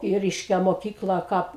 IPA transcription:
ɪ ˈrʲɛɪʃʲkʲɛ moːˈkʲiːklˠɐ ˈkɐp

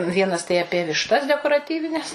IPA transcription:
ˈʋʲiɛnɐs tɐɪ ɐˈpʲiɛ ʋʲɪʃˈtɐs dʲɛkoːrɐˈtʲiːʋʲɪnʲɛs

